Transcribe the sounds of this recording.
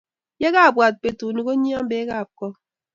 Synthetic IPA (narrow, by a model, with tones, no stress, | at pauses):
je˦ɣa˦˨bwa˨t̚pe˨tu˨ni˨ko˦ɲi˦a˦m˦be˨˦ɣa˦˨p̚kɔ˦